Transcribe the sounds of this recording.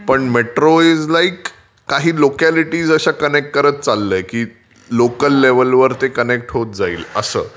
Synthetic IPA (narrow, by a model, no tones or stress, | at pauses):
pəɳmeʈɾoed͡zlaikː | aɦiːlokæliʈiːd͡zəɕakənek̚ʈ̚kəɾət̪̚t͡salːəjkiː | lokəlːeʋəlʋəɾt̪ekənek̚ʈɦot̪̚d͡zaiːləsə̰ː